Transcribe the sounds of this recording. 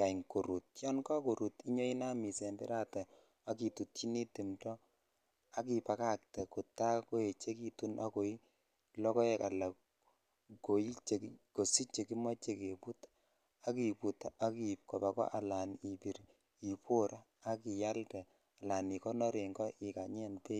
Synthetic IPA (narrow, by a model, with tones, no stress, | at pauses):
ka˨ŋko˨ɾu˨t̚jɔ˦nka˦ko˨ɾu˨ti˦ɲɔ˦i˦na˦mi˨sɛ˨mbɛ̰˦ɾa˦ta˨ | a˦ki˨tu˨tːi˦ni˦ti˨mtɔ˦ | a˦ki˨pa˨ka˦k̚tɛ˨ku˨ta˦ko˦e˨t͡ʃe˦ki˦tu˦nʔa˦ko˨i˦ | lɔ˦kɔ˦ɛ˨ka˨la˨ | ko˨ji˦t͡ʃe˨ki˦ko˨si˦t͡ʃe˨ki˦mɔ˦t͡ʃe˦ke˨pu˦t | a˦ki˨pu˨ta˦ki˨p̚kɔ˨ba˨kɔ̰˦ʔa˨la˨ni˨pi˨ɾ | i˨pwo˦ɾaː˦ki˨ja˦lkɛ˨ | a˨la˨ni˨kɔ˦nɔ˦ɾe˨ŋɡɔ˦ʔi˨ka˨ɲɛ˦npe˦